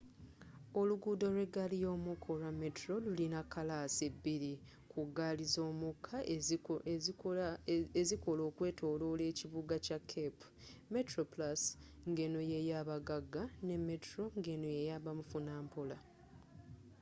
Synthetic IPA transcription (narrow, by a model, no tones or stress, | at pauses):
o̞luɡuːdo̞ɾwe̞ɡalijo̞ːmukʰo̞ɾame̞tɾo̞lulinakːalasebːiɾi | kuɡalizoːmukʰːa | eziko̞lo̞ːkwe̞ːtʰo̞ːlole̞ːciβuɡacakʰːepu̥me̞tɾo̞plasŋɡe̞no̞je̞jaːβaɡaɡane̞mːe̞tɾo̞ŋɡe̞no̞jejaβamufunaːmpola